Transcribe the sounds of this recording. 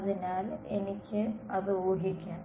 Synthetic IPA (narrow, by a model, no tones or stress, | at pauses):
ðinaːle̞̰nikʲːɨɐðɨoːɡikʲːaːɳ